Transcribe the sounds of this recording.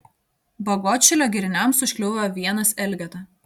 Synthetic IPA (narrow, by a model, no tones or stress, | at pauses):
bɐɡɔt͡ʃʲɛlʲoːɡʲɪɾʲɪnʲɛmsʊʃʲkʲlʲʊʊʋʲɛjoːʋʲiɛnɐsɛlʲɡʲɛt̪ɐ